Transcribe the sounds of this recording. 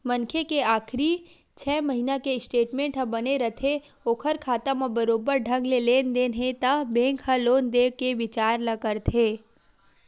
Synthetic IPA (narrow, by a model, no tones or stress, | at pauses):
mɐnkʰekeaːkʰɾi | t͡ʃʰɛːmɐɦinakeɪsʈeːʈmẽːɳʈɦə̃bɐneɾɐt̪ʰe | oːkʰəɾkʰaːt̪amãbɐɾoːbəɾɖʱɐ̃ŋɡleleːnd̪eːnɦẽt̪əbẽːŋkhəloːnd̪eːʋkeʋɪt͡ʃaːɾlɐkəɾt̪ʰeː